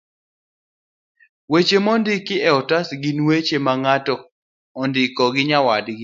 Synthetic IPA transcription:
wet͡ʃemɔndɪkɪɛɔtasɡinwet͡ʃemaŋatɔ | ɔndɪkɔɡɪɲawadɡɪ

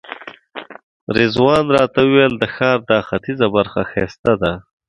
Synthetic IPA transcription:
ɾɪzwɑːnɾɑːt̪awuweld̪əxɑːɾd̪ɑːxat̪izabaɾxaxest̪ad̪a

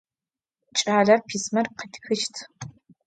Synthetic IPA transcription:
t͡ʃʼaːɮɐrpʰiːsmɐr̚qʰətʰxɨʃtʰ

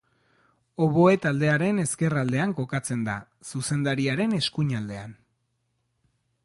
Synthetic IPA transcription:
o̞βo̞e̞t̪ald̪e̞aɾe̞ne̞ske̞rald̪e̞aŋko̞kat͡se̞nd̪a | suse̞nd̪aɾiaɾe̞ne̞skuɲald̪e̞an

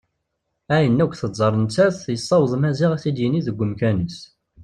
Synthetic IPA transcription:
æjənːækʷːθəˤɑɾˤənt͡sːæθjəsˤːɑwðˤmæziʁæθid̪jəniðəɡʷːəmkænəs

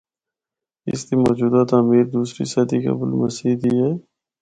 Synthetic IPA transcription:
ɪ̰st̪imɔːd͡ʒuːd̪at̪aːmiːɾd̪uːsɾḭsaːd̪ika̰bʊlməsiːd̪iːɦɛː

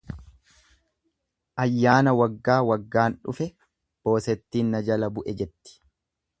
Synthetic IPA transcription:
ʔɐjːaːnɐwɐɡːaːwɐɡːaːnᶑʊ̰fɛ | b̥o̞ːsɛt̪ːiːnːɐd͡ʒɐlɐbʊʔɛd͡ʒɛt̪ːɪ̥

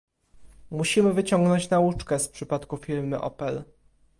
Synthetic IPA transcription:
muɕimɘvɘt͡ɕɔŋɡnɔɲt͡ɕnaut͡ʂkɛspʂɘpat̪kufʲiɾmɘ̰ʔɔ̰pɛl

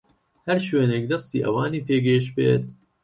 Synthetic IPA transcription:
hæɾʃweːneːk̚d̪ɐst̪ḭːʔɐ̰waːniːpʰeːɡeːʃbḛːt̪

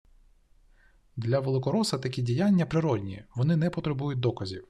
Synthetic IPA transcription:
d̪lʲɐʋelˠɪkɔɾɔsɐt̪ɐkʲidʲijanʲːɐpɾɪɾɔdʲnʲḭʋɔnɪnɛpɔt̪ɾebujʊt̚ʲd̪ɔkɐzʲiw

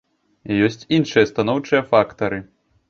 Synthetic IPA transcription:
jɔsʲt͡sʲinʂɨjɐst̪anɔwt͡ʂɨjɐfakt̪ɐɾɨ

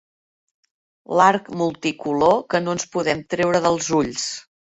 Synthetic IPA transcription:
laɾkmulˠt̪ikulokənoənspuðɛmt̪ɾɛwɾəðəlˠzuʎs

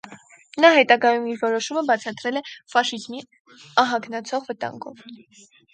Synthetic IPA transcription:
nɑɦɛt̪ɑɡɑjumiɾvɔɾɔʃuməbɑt͡sʰɑt̪ɾɛlɛfɑʃizmi | ɑɦɑɡnɑt͡sʰɔʁvət̪ɑ̰ŋɡɔ̰v

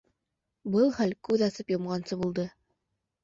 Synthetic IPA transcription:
bɤlˠχælkʉðɑsɤpjŏmʁɑnsɤbulˠd̪ɤ

